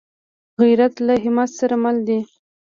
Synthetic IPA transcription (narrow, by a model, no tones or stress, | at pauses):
ɣijɾat̪laɦɪmat̪saɾamald̪i